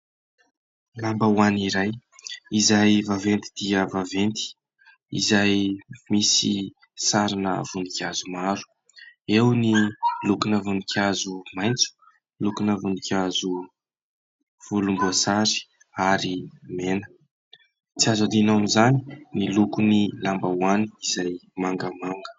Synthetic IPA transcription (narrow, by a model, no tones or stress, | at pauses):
lambəwaniɾajizajvavent̪id̪̥iəvavent̪i̥ | ḭzajmisi | saɾinə̰v̥unikʲazumaɾu̥ | ewnilukunəvunikʰʲiazumajnt͡su̥ | lukunəvunikʲazu | v̥ulumbəsaɾi̥ | aɾimenə̥ | t͡siazad̪inaamizani̥nilukunilambawani̥izajmaŋɡəmaŋɡə̥